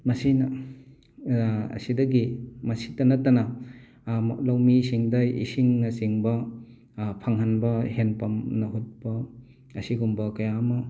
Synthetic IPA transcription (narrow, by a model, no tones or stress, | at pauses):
mɐsinɐ | ɐ̰sidɐɡimɐsi̥tɐnɐtɐna | lawmisiŋdɐjḭsiŋnɐsiŋbɐ | pʰaŋɦanbɐhenpɐmnɐɦut̚bɐ | ɐsiɡumbɐkɐjamɐ